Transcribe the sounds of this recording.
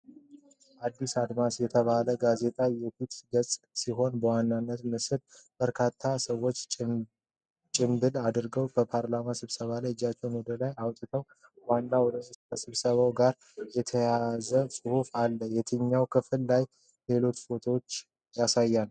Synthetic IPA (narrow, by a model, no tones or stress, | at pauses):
ʔad̪ːisad̪masjɛt̪ʰəβaləɡaze̞t̪ʼajɛfit̪ɡəsʼ | siɦo̞nbəwanːanːət̪mɨsɨd̪b̥əɾkʰat̪ʰːasəwːo̞t͡ʃː | t͡ʃʼɪmbɨlad̪ɨɾɡəwkəpʰaɾlamasɨβsəβalajd͡ʒːat͡ʃːɛwnwɔd̪əlajawt̪ʼɨt̪ʰəw | wanːawɔd̪əsʼəsɨβsəβawɡaɾ | jɛt̪ʰəjazəsʼɨhufalːəjɛt̪ʰɨɲːawkʰɨfɨlːaj | le̞lo̞t͡ʃ̪fo̞t̪ʰwot͡ʃː | jasajːan